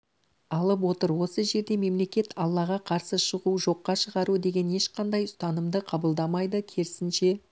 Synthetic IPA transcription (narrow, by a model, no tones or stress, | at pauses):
ɑlˠəp̬wo̞t̪əɾwo̞səʒe̞ɾd̪e̞me̞mle̞kʲe̞t̪ʰɑlˠːɑʁɑqʰɑɾsəʃəʁuʒo̞qːɑʃəʁɑɾud̪e̞ɡʲe̞ne̞ʃqʰɑnd̪ɑjʊst̪ɑnəmd̪əqʰɑbəlˠd̪ɑmɑjd̪əkʲʰeɾɪsɪnʃe̞